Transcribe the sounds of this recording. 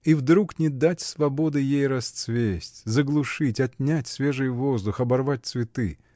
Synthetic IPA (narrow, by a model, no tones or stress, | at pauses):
ivd̪ɾuknʲɪd̪atʲsvɐbo̞d̪ɨjejɾɐst̪svʲesʲtʲzəɡlˠʊʂɨtʲɐt̪ʲnʲætʲsvʲe̞ʐɨjvo̞zd̪ʊxɐbɐrvat̚ʲt̪svʲɪt̪ɨ